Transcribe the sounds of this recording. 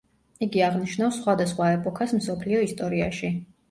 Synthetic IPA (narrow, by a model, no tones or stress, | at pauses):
iɡiaʁniʃnafsːχwad̪asχwaɛpʼɔkʰasmsɔpʰliɔist̪ʼɔɾia̰ʃi